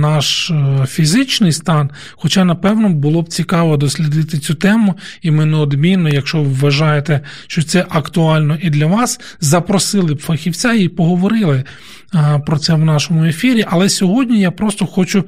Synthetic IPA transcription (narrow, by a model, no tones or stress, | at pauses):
nɑʃfʲizɪt͡ʃnɪjst̪ɑn | xɔt͡ʃɑnɐpɛwnɔbʊlˠɔbt͡sʲikɑʋɔd̪ɔsʲlʲɪd̪ɪt̪ɪt͡sʲut̪ɛmʊimɪneɔd̪mʲinːɔjɐkʃt͡ʃɔʋʋːɐʒɑjet̪eʃt͡ʃɔt̪sɛʔɐkt̪ʊɑlʲnɔʔid̪lʲɐʋɑs | zɐpɾɔsɪlˠɪbfɐxʲiwt͡sʲaipɔɦɔʋɔɾɪlˠɪ | pɾɔt̪sɛwnɑʃɔmʊefʲiɾʲiʔɐlˠɛsʲɔɦɔdʲnʲijapɾɔst̪ɔxɔt͡ʃʊ